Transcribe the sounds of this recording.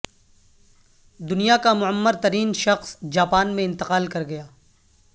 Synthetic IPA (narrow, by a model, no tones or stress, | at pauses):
d̪ʊnijakamʊəmːəɾt̪ɐɾiːnʃɐxsd͡ʒaːpaːnmẽɪ̃nt̪ɪqaːlkɐɾɡɐjaː